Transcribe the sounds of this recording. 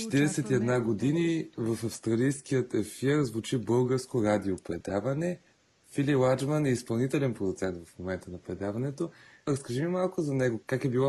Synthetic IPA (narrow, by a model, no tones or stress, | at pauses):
t͡ʃɛ̥t̪iɾɛsɛt̪iɛd̪naɡod̪inivəfɐfst̪ɾɐlijskijət̪ɛfiɾzvut͡ʃibɤlˠɡəɾskoɾad̪iopɾɛd̪avɐnɛ | fililˠad͡ʒmɐnɛispɐlˠnit̪ɛlɛnpɾod̪ʊt̪sɛnt̪vɐfmomɛnt̪ənɐpɾɛd̪avɐnɛt̪oɾəskəʒimimalˠkʊzɐnɛɡokakɛbilˠɔ